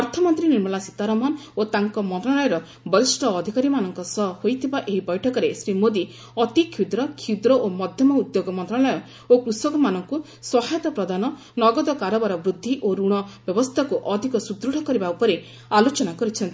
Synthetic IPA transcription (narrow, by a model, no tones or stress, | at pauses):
ɔɾt̪ʰɔmɔnt̪ɾiniɾmɔlasit̪aɾɔmɔnot̪aŋkɔmɔnt̪ɾaɭɔjɔɾɔ | bɔisʈɔːd̪ʱikaɾimanɔŋkɔsɔhojt̪ʰibaʔeɦibɔjʈʰɔkɔɾesɾimod̪i | ɔt̪ikʰud̪ɾɔkʰud̪ɾɔʔomɔd̪ʱjɔmɔud̪joɡɔmɔnt̪ɾaɭɔjɔ | okɾusɔɡɔmanɔŋku | swɔɦajɔt̪ɔpɾɔd̪ʱanɔ | nɔɡɔd̪ɔkaɾɔbaɾɔbɾud̪ʱːiʔoɾuɽ̃ɔbjɔbɔst̪ʰakuʔɔd̪ʱikɔsud̪ɾuɽ̤ɔkɔɾibaupɔɾe | alot͡ʃɔnakɔɾit͡ʃʰɔnt̪ii̥